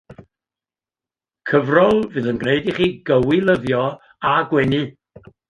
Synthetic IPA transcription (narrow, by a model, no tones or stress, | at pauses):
kʰəvrɔlˠvɨːðənɡneɨdiχiːɡəwilˠəðjɔ | aɡwɛnɨ